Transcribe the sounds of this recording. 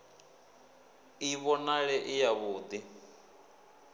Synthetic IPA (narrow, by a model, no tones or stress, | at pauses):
iβɔnaɺɛʔijaβuːd̪i